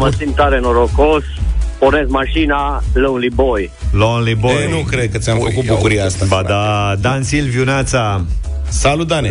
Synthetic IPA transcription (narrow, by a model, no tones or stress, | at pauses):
məsimt̪aɾenoɾokospoɾnesmaʃinaləunliboj | lonlibojenukɾed̪̚kət̪sʲjamfəkut̪̚bukuɾijaast̪abad̪ad̪ansilviunat̪sa | salud̪ane